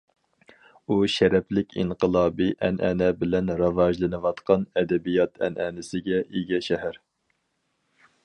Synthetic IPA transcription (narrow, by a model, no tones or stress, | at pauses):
uʃɛɾɛplɪkʲḭɴqəlˠɑːbiʔɛnɛ̰nɛbɪlɛnɾɑvɑʒlˠɨnɨwɑt̪qʰɑnɛd̪ɛbijɑt̪ʰɛ̰nʔɛnɪsɪɡʲɛʔiɡʲɛʃɛɦæɾ